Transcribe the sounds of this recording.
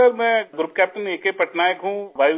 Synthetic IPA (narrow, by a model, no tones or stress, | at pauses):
əɾmɛ̃ɡɾup̚kɛːp̚ʈəneːkepɐʈnaːjəkɦũʋaːj